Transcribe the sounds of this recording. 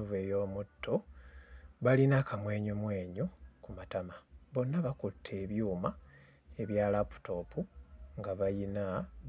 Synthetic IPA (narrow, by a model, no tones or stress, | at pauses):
uve̞jo̞ːmutʰːo | βalinakamwe̞ːɲomwe̞ːɲukumatamaβo̞nːaβakutʰːe̞ːβjuːma | e̞βjaːlapu̥tʰo̞puŋɡaβajina